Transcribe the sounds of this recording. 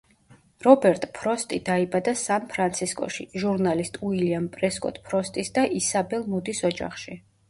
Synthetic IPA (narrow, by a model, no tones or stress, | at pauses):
ɾɔbɛɾt̪ʼpʰɾɔst̪ʼid̪aibad̪asanpʰɾant̪sʰiskʼɔ̰ʃḭʒuɾnalist̪ʼuiliampʼɾɛskʼɔ̰t̪ʼpʰɾɔst̪ʼisd̪aʔisabɛlˠmud̪isɔd͡ʒa̰χʃi